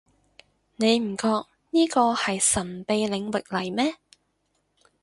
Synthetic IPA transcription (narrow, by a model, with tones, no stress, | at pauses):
ne˨˧jm̩˨˩kɔː˧k̚ | niː˥kɔː˧hɐ˨jsɐ˨˩npe˨˧jlɪ˨˧ŋwɪ˨k̚lɐ˨˩jmɛː˥